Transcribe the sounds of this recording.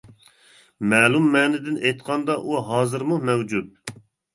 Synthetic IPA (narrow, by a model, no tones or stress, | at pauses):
mɛːlˠumːɛːnɪd̪ɪnejt̪qʰɑnd̪ɑʔuɦɑːzɨɾmumɛwd͡ʒut̪̚